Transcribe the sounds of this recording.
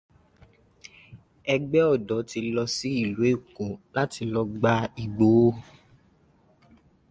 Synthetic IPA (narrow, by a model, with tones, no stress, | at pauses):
ɛ˧ɡ͡bɛ˦ɔ˦˨dɔ˨˦ti˧lɔ˧si˦i˦˨lu˨˦e˦˨kũ˨˦la˦ti˧lɔ˧ɡ͡ba˦i˨ɡ͡bo˨˦